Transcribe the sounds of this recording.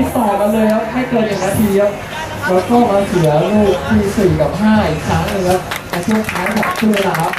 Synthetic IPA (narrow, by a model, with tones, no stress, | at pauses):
saː˨˩ka˧nlɤː˧jlɛː˦˥wk̪ʰaː˥˩jkɤː˧nːɯ˨˩k̚naː˧t̪ʰiː˧a˥˩w | lɛː˦˥wkɔː˥˩maː˧sʰɯ˨˩˦ɐɾuː˧˩k̚t̪ʰiː˧˩siː˨˩ka˨˩p̚ɦaː˥˩i˨˩kʰaː˦˥ŋnɯ˧a˧˥˩ | a˧˩t͡ɕʰu˥˩ək̪ʰaː˦˥wba̰ː˨˩p̚tʰɯ˥˩˧jna˨˩kʰa˦˥